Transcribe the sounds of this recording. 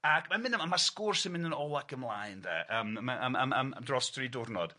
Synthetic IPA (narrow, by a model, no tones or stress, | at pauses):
akʰmanmɪ̃nəmamaskʊrsɪnmɪ̃ndənɔlˠakʰəmlˠajndɛ̰ʔəːmmaʔama̰ma̰mdrɔstridʊrnɔd̥